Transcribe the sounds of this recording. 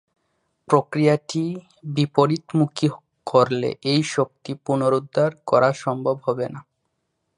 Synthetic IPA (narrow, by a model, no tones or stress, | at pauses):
pɾokɾijaʈi | bipoɾit̪muki | kʰoɾlḛʔejʃok̚t̪ipunoɾud̪ʱːaɾkɔɾaʃɔmbʱobɦɔbena